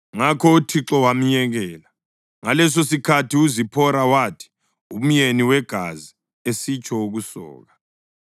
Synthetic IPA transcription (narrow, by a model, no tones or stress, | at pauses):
ŋakʰɔutʰiǁɔwam̩ɲɛɣɛːla | ŋalɛs̬osikʰatʰiuzipʰɔɾawaːtʰi̥ | um̩jeniwɛɡ̥ʱazi | esit͡ʃʰʼɔuɣusɔ̰ːɣa